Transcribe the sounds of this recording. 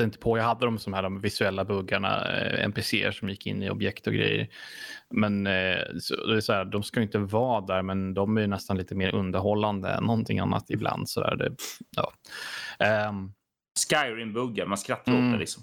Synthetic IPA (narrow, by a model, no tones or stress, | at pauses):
ɪnt̪ə̥pʰɔjaɦad̪ːəd̪ɔmsɔmhæːɖɔmvɪsɵɛlːabɵɡːaɳa̰ɛ̰mpesḛːə̰ʂɔmjɪkːɪ̰nːɪɔ̰bjɛkt̪ɔɡɾɛ̰jːə̰ɾmɛnsɔ̰d̪ɛsɔd̪æːɖ̪ɔmskajʏɪnt̪əvɑːd̪æːɾmɛnd̪ɔmæjɵnɛst̪anliːt̪əmeːɾɵnd̪əɾɦɔlːand̪ə̰ɛ̰nːɔnt̪ʰɪŋa̰nːa̰t̪ɪblʔa̰nd̪sɔd̪æ̰ːɾd̪ɛ̰jɑ̰ː | skajɾɪŋbɵɡːaɾmanskɾat̪ːaɾolɪksɔm